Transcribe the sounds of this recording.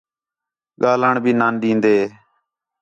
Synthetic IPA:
ɠaːlaːɳbʱiːnaːnɗĩːnd̪eː

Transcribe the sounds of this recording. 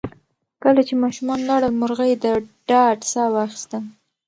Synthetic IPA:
kəlat͡ʃemɑʃumɑnlɑɽəlmʊɾɣəjed̪əɖɑɖsɑwɑxi̥st̪a

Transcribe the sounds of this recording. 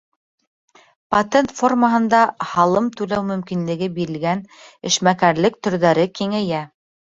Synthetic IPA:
pɐt̪ʲent̪fo̞rməɦɤ̆nd̪ɑhɑlˠɤmt̪ʉlæwmɵ̆mkinlɘ̆ɡɘbiɾɘ̆lɡæn | ɘ̆ʃmækæɾlɘk̚t̪ɵ̆ɾðæɾɘkiŋæjæ

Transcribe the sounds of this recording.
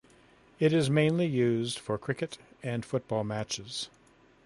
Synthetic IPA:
ɪɾɪzmẽɪ̃nlijʉzd̥fə˞kʰɹ̥ɪkɨɾɨ̃nfʊt̚b̥ɔlˠmæt͡ʃɪz̥

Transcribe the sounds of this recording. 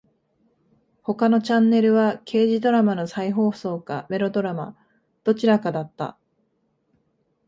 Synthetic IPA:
ho̞kano̞t͡ɕãnːe̞ɾɯ̟βakʰe̞ːʑid̪o̞ɾamano̞saiɦo̞ːso̞ːkame̞ɾo̞d̪o̞ɾama̰ | d̪̥o̞t͡ɕiɾakad̪at̪ːa̰

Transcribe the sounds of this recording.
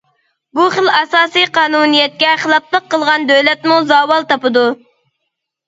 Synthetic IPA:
buχəlɑsɑːsijqʰɑːnunijɛt̪̚kʲɛχəlˠɑplˠəqʰːəlˠʁɑnd̪øwlɛt̪muzɑːwɑlˠt̪ɑpɨd̪u

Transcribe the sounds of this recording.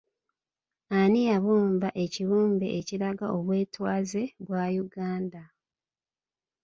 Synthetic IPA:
anijaβuːmbaʔeciβuːmbe̞ʔːciɾaɡaʔo̞βwe̞ːtwaːze̞βwaːjuɡaːnda

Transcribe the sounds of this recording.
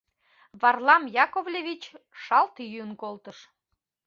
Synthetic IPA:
βɑrlɑmjɑkovlʲevʲit͡ɕʃɑlt̪jyənkolt̪əʃ

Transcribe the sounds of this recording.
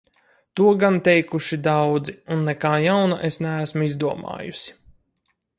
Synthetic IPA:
t̪uɔɡant̪ɛjkuʃid̪awd̪ziunːɛkaːjawnaʔesnæːsmuizd̪uɔma̰ːjusi̥

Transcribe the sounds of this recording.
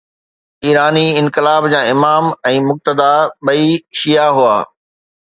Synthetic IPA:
iːɾaːniɪ̃nkɪlaːbd͡ʑãːɪmaːmɛ̃ːmʊk̚t̪əd̪aɓɐiʃijaɦuaː

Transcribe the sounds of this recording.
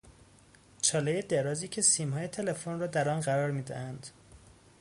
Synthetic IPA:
t͡ʃʰɒːlejed̪eɾɒːziːcʰe̞siːmɦɒːjet̪ʰe̞le̞fonrɒːd̪æɾɒnɢæɾɒːɾmiːd̪æ̰hænd̪̥

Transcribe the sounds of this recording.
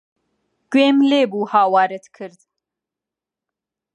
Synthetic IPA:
ɡ̥weːmleːbuːhɑːwɑːɾət̪kʰɨɾd̪

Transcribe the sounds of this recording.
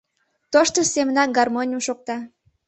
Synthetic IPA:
t̪oʃt̪əsemənɑkɡɑrmonʲuʃok̚t̪ɑ

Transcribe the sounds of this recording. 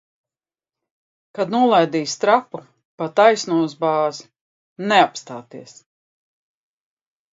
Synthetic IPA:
kad̪nuɔlˠajd̪iːst̪ɾapu | pat̪ajsnuɔzbaːz | neapst̪aːt̪iɛs

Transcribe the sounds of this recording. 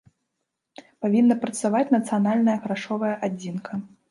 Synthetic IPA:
pavʲinːɐpɾɐt̪savat͡sʲnɐt̪sɨjanalʲnɐjɐɣɾaʂɔvɐjɐʔad͡zʲinkʰɐ

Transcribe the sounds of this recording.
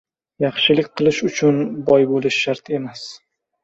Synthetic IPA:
jɑχʃɪlɪkʲqʰɨlˠɪʃʊt͡ʃʰʊnbɒjbolɪʃːaɾt̪e̞mas

